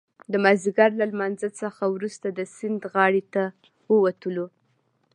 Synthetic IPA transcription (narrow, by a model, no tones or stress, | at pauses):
d̪əmaziɡaɾlalmanzasəxawɾust̪ad̪əsɪnd̪ɣɑɽet̪a | wəwat̪əlo